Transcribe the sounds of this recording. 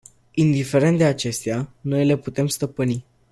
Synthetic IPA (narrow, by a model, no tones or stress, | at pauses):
ind̪ife̞ɾent̪d̪eat͡ʃe̞st̪eano̞jle̞put̪e̞mst̪əpɨni